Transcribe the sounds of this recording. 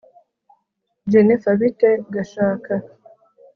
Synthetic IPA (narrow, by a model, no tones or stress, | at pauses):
d͡ʒenefaβiteɡaʃaːka